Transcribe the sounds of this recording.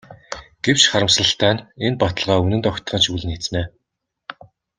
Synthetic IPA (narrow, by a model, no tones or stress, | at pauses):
ɡ̥ew̥t͡ɕχaɾə̆msə̆ɬt̪æːnenpat̪ə̆ɮʁaːunɘ̆nt̪ɔkʲt̪ə̆ʁə̆nʃuɮɘ̆net͡sneː